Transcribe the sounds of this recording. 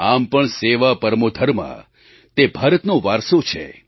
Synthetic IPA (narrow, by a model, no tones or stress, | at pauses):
ampəɳseʋapəɾmod̪ʱəɾmã̰ | t̪ebʱaɾət̪nõʋaɾsot͡ʃʰḛ